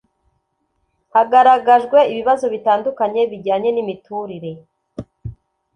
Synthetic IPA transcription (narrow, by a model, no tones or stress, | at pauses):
haɡaɾaɡaʒɡwe̞iβiβazo̞βitaːndukaɲe̞βiɟaːɲe̞nimituːɾiɾe̞